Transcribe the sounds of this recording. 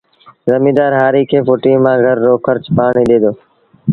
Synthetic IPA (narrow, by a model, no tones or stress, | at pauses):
zəmiːd̪aːɾɦaːɾiːkʰeːfoʈĩːmãːɡʱəɾːoːkʰəɾt͡ʃpaːɳiːɗ̪eːd̪oː